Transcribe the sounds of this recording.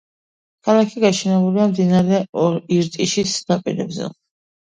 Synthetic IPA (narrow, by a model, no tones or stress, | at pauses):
kʰalˠakʰiɡaʃʰɛnɛbuliamd̪inaɾɛɔɾiɾt̪ʼiʃisd̪̥apʼḭɾɛ̰bzɛ̰